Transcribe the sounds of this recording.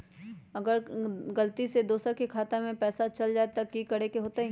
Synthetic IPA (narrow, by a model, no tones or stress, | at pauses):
ɐɡəɾɡɐlt̪ised̪oːsəɾkekʰaːt̪amẽpɛːsat͡ʃɐld͡ʒaːet̪ɐkːikɐɽ̤ekeɦoːt̪aɦɛ